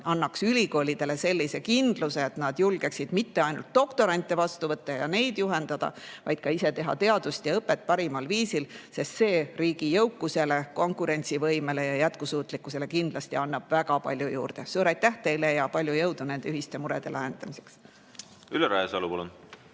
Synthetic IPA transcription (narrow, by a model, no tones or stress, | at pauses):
ɑnːɑksylʲiko̞ːlʲid̪̥e̞le̞se̞lʲːise̞kind̪̥luse̞ːt̪nɑd̪̥julɡ̥e̞ksid̪̥mit̪ːe̞ɑjnult̪̚d̪̥o̞kt̪o̞ɾɑnʲt̪ːˑevɑst̪uvɤt̪ːɑjɑ̰ne̞jd̪̥juɦe̞nd̪̥ɑd̪̥ɑ̰vɑjd̪̥kɑise̞t̪e̞ɦɑ̰t̪e̞ɑd̪̥ust̪jɑɤpːˑe̞t̪̚ːˑpɑɾimɑlviːsilse̞st̪se̞ːriːɡ̥ijɤwkːˑuse̞le̞ko̞ŋkˑuɾe̞nʲt̪sivɤjmele̞jɑjæt̪kusuːt̪ːˑlikːˑuse̞le̞kind̪lɑst̪iɑnːɑb̥væɡɑpɑ̰lʲjujṵːɾd̪̥esuːɾɑjt̪ːæht̪e̞jle̞jɑpɑlʲjujɤwd̪une̞nd̪eyɦist̪e̞muɾed̪̥e̞læɦe̞nd̪ɑmise̞ks | yleɾæesɑlupɑlun